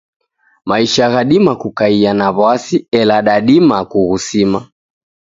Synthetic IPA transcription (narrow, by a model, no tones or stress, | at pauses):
maiʃaɣaɗimakukaianaβwasiɛlaɗaɗimakuɣusima